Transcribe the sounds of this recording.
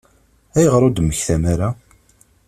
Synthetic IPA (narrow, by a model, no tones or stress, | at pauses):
æjəʁɾˤod̪məçθæmaɾa